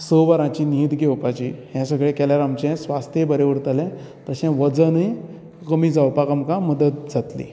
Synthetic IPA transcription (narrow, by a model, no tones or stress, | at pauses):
səʋaɾãt͡ɕiːniːt̪ɡʱewpat͡ɕiɦjãsəɡɭekɛljaɾamt͡ɕɛ̃sʋast̪ʰjebəɾeʋəɽt̪əlɛ̃ | t̪əɕɛ̃ʋəd͡zəni | kəmiːd͡zawpakamkaməd̪ət̪̚d͡zat̪lḭ